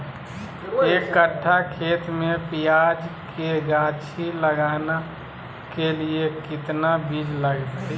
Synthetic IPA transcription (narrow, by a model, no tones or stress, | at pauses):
eːkːəʈʰːakʰeːt̪mẽpijaːd͡ʒkeɡaːt͡ʃʰiləɡaːna | keliekɪt̪nabʱilləɡt̪i